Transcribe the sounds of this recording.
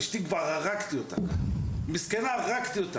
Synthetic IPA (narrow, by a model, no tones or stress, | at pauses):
ʃt̪iɡvaʁaʁakt̪iot̪amiskɛnaʁakt̪iot̪a